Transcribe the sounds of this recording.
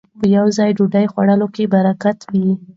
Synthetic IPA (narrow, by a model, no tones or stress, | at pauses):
pəjawzɑjɖuɖajxwaɽəlokebaɾakat̪wi